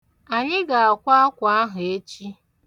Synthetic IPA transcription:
a˨ɲɪ˦ɡa˨a˨kʷa˦a˦kʷa˨a˦ɦʊ˨e˦t͡ʃi˦

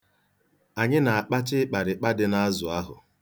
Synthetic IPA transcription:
a˨ɲɪ˦na˨a˨k͡pa˦t͡ʃɪ˦k͡pa˨ɾɪ˨k͡pa˦dɪ˦na˦zʊ˨a˦ɦʊ̰˨

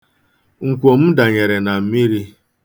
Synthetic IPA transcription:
ŋ̩˨kʷo˨m̩˦da˨ɲe˨ɾe˨na˨m̩˦mi˦ɾi˦

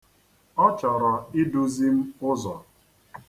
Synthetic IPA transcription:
ɔ˦t͡ʃɔ˨ɾɔ˨i˦dʊ˦zi˦m̩˦ʊ˦zɔ̰˨

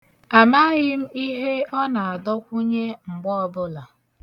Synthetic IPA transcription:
a˨ma˦ɣɪ˦m̩˦i˦ɦe˦ɔ˦na˨a˨dɔ˦kʷu˦ɲe˦ŋ͡m̩˨ɡ͡bɔ˦ɔ˦bʊ˦la˨

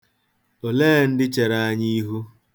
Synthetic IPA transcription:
o˨leː˦˨n̩˦dɪ˦t͡ʃe˨ɾa˦a˦ɲi˦ɦu˦

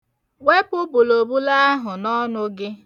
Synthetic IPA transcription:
we˦pʊ˦bʊ˨lo˨bu˦la˦ɦʊ˨nɔ˦nʊ˦ɡɪ˦

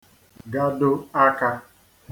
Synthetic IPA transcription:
ɡa˦dʊ˦a˦ka˦

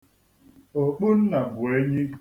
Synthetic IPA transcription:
o˨k͡pu˦n̩˦na˨bʊ˨e˦ɲɪ˦

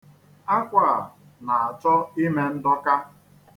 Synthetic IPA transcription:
a˦kʷa˦˨ | na˨a˨t͡ʃɔ˦i˦me˦n̩˦dɔ˦ka˦

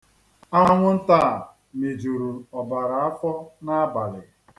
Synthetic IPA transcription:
a˦ŋʷʊ˦n̩˦ta˦˨ | me˨d͡ʒu˨ɾu˨ɔ˨ba˨ɾa˨a˦fɔ˦na˦a˦ba˨lɪ˨

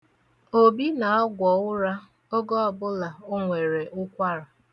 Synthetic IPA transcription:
o˨bi˦na˨ɔ˦ɡʷɔ˨ʊ˦ɾa˦ | o˦ɡɔ˦ɔ˨bʊ˦la˨ʊ˦ŋʷe˨ɾe˨ʔʊ˦kʷa˦ɾa˨

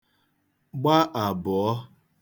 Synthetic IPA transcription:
ɡ͡ba˦ʔa˨bʊ˨ɔ˦

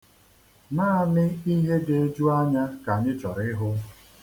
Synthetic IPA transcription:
naː˦˨mɪ˦i˦ɦe˦de˨e˦d͡ʒu˦a˦ɲa˦ka˨ɲɪ˦t͡ʃɔ˨ɾɪ˦ɦʊ˦

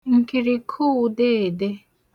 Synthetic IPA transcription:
ŋ̩˨ki˨ɾi˨kʰu˦˨de˦˨de˦

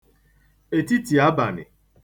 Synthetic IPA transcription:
e˨ti˦ti˨a˦ba˨nɪ̰˨

